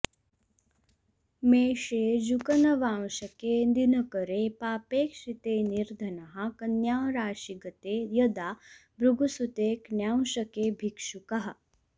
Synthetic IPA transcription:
meːʃeːd͡ʒukɐnɐʋaːwʃɐkeːnd̪inɐkɐɾeːpaːpeːkʂit̪eːniɾd̪ʱɐnɐɦɐ̆kɐnjaːwɾaːʃiɡɐt̪eːjɐd̪aːbɾuɡusut̪eːknjaːwʃɐkeːbʱikʂukɐɦɐ̆

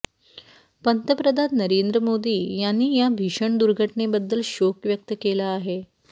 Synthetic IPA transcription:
pənt̪əpɾəd̪ʱanːəɾend̪ɾəmod̪iːjanːiːjabʱiɕəɳd̪uɾɡʱəʈɳebəd̪ːəlɕokʋjək̚t̪əkelaːɦe

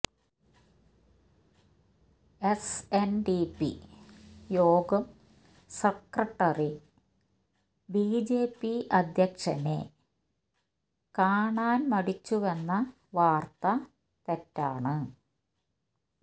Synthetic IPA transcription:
esenɖipḭ | joːɡɐm | sɐkrɐʈːɐri | biːd͡ʑeːpːiɐd̪ʱjɐkʂɐnḛ | kaːɳaːnmɐɽit͡ɕːuʋenːɐ | ʋaːrt̪ɐ | t̪etːaːɳɨ

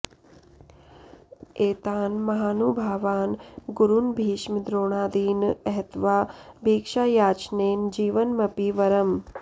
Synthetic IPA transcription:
eːt̪aːnmɐɦaːnuːbʱaːʋaːnɡuɾunbʱiːʃməd̪ɾoːɳ̃aːd̪iːnɛɦt̪ʋaːbʱiːkʂaːjaːt͡ʃneːnd͡ʒiːʋɐnmɐpiʋɐɾɐm

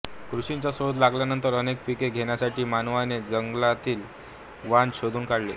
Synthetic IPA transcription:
kɾuɕiɲt͡ɕasod̪laɡljanənt̪əɾənek̚pikeɡʱeɳjasaʈiːmanʋaned͡zəŋɡlat̪iːl | ʋanɕod̪ʱuːnkaɽlḛ

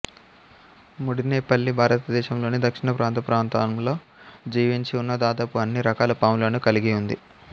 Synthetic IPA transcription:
muɽineːpɐlːibʱaːɾɐt̪ɐd̪ɛːʃɐmlo̞ːnid̪ɐkʂiɳɐpɾʔaːnt̪ɐpɾaːnt̪aːmlo̞ː | d͡ʒiːʋiɲt͡ʃiunːɐd̪aːd̪aːpuɐnːiɾɐkaːlɐpaːmlɐnukɐliɡiund̪i

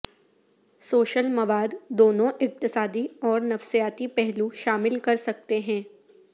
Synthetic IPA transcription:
soːʃəlmɐʋaːd̪ːoːnõʔɪq̚t̪ɪsaːd̪iɔːɾnɐfsijaːt̪ipɛɦluʃaːmɪlkɐɾsɐk̚t̪eɦɛ̃ː

